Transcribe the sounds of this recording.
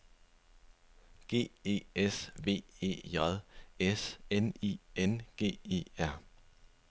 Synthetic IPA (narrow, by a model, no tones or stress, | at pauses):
ɡ̥e̝̰ːe̝̰ːesʋe̝̰ːe̝̰ːjɒðˠesenḭːenɡ̥e̝̰ːe̝̰ːæɐ̰